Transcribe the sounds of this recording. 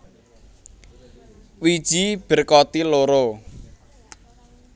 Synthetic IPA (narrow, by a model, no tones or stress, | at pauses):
wid̥ʒ̥ib̥ə̤rkɔt̪iloɾo